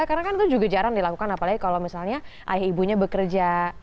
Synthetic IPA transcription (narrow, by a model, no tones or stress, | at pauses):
kaɾnakanit̪ud͡ʒuɡad͡ʒaɾaŋdilakukanapalaɡikalowmisalɲaʔa̰jahibuɲabəkərd͡ʒa